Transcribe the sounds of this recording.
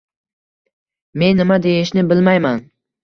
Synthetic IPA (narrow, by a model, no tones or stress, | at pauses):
me̞nːɪmad̪ejɪʃnɪbɪlmajman